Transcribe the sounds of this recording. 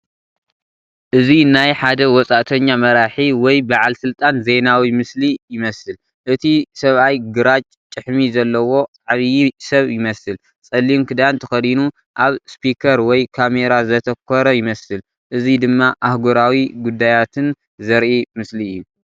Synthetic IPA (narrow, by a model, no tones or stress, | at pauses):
ʔɨzinajħad̪ɐwɔt͡sʼaʔt̪ʰɐɲːamɐɾaħiwɔjbaʕalsɨlt̪ʼanze̞nawimɨslijɪmɐsɨl | ʔɨt̪ʰisɐβajɡɨɾat͡ʃʼt͡ʃʼːɨħmizɐlːɐwo̞t͡sʼaʕβijisɐβjɪmɐsɨl | t͡sʼɐlːimkʰɨd̪aant̪ʰɐxɐd̪inu | ʔaβspʰikʰɐɾwɔjkʰame̞ɾazɐt̪ʰɐkʰːɔɾɐjɪmɐsɨl | ʔɨzid̪ɨmːaʔahɡoɾawiɡud̪ːajat̪ʰɨn | zɐɾʔimɨsliɨjːu